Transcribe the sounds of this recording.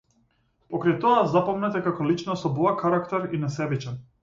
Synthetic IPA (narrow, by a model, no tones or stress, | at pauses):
pɔkɾajt̪ɔazapɔmnɛt̪ɛkakɔlit͡ʃnɔsɔbɔakaɾakt̪ɛɾinasɛbit͡ʃɛn